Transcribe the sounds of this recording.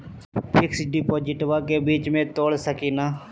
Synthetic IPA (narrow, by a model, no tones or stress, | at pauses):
pʰɪksɖɪːpoːd͡ʒɪʈʋaːkeːbiːt͡ʃmẽːt̪oːɽsəkiːnaː